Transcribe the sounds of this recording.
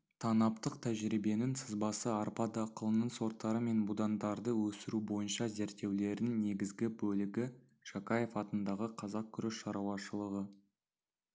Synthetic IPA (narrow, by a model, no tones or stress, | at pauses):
t̪ʰɑnɑpt̪əqt̪ʰæʒɾibe̞nɪnsəzbɑsəɑɾpɑd̪ɑqəlˠənəɴso̞ɾt̪ːɑɾəme̞nbud̪ɑnd̪ɑɾd̪əwɵsɪɾubo̞jənʃɑze̞ɾt̪ːe̞wle̞ɾɪŋne̞ɡʲɪzɡʲɪbɵlɪɡʲɪ | ʃɑkɑje̞fɑt̪ənd̪ɑʁəqʰɑzɑq̚kʲʰʏɾɪʃʃɑɾuwɑʃəlˠəʁə